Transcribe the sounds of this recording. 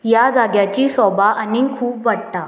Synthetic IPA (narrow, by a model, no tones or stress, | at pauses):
jad͡zaɡjat͡ɕiːsɔbʱaʔanikʰuːpʋaɽt̪a